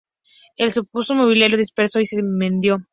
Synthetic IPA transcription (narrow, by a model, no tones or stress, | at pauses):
elsupusomoβ̞iljeɾjoðispeɾso̞isemẽnd̪jo